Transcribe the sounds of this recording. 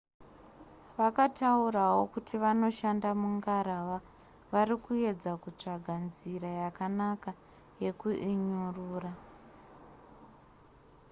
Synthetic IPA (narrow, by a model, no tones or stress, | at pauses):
ʋakataurawo̞kutʰiʋano̞ʃandamuŋɡaɾaʋa | ʋaɾikue̞d͡zakut͡ʂaɡʱanziɾajakanaka | je̞kuʔiɲuruːra